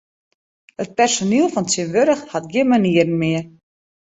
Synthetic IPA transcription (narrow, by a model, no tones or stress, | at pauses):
ət̚pɛrsonilˠfɔntjənʋøɾəxhatɡjɪnmaniəɾən̩mɪə